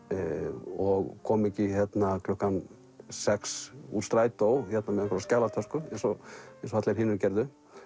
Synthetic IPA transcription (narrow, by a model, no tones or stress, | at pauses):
ɔɣkʰɔmɛcːɪçɛt̪nakʰlɔhkan | sɛksṵɾst̪ɾaːjt̪awhɛt̪namɛðɛkʰɔɾascaːlat̪ʰœskʏjɛsɔjɛs̬ɔhat̪leɾhɪnʏɾcɛɾðʏ